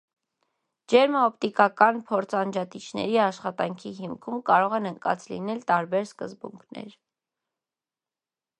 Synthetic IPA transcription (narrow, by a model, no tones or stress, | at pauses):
d͡ʒɛɾməɔpt̪ikɑkɑnpʰɔɾt͡sʰɑnd͡ʒɑt̪it͡ʃʰnɛ̰ɾiɑʃχɑt̪ɑŋkʰiɦimkʰumkɑɾɔʁɛnəŋkɑ̰t͡slḭnɛlt̪ɑɾbɛɾskəzbṵŋkʰnɛ̰ɾ